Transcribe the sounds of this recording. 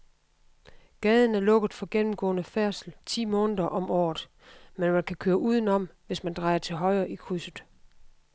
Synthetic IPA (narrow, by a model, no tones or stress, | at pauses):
ɡ̥ɛːð̞ˠn̩æɐlɔ̽ɡ̥ð̩ˠfɒ̽ɡ̥enm̩ɡ̥ɔ̰̽ːnəfæɐsl̩t͡sʰḭːmɔːnðˠɐʔɒ̽mɒ̰ːð̩ˠ | menmænkʰækʰøːɐʔuːð̞ˠən̩ɒ̽m̰ʋe̝smænd̥ʁɑ̈ɪɐt͡sʰe̝lɦɒ̽ɪɐʔikʰʁysð̩ˠ